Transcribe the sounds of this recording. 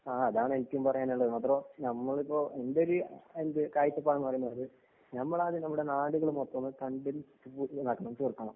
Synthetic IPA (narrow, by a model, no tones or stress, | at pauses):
aːɐðaːɳenitːɐʋumpɐrɐjaːnuɳːɭɐðɐmɐt̪rɐnɐmːɐɭipːo̞ːʔe̞nd̪eoɾuend̪ɨkaːjit͡ɕːɐpːaːɳɐmːɐpɐrɐjunːɐɐðɨ | nɐmːɐɭaːðenɐmːuɽe̞naːɽuɣɐɭumot̪ːɐnːɨt̪ɐɳɖiltːupːunɐːkːɐɳɐmt͡ɕurk̪ːɐɳɐm